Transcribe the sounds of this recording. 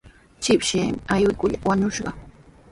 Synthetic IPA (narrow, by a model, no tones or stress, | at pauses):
t͡ʃɪpʃeːmɪajwɪkʊʎawaɲʊʃɢɑ̰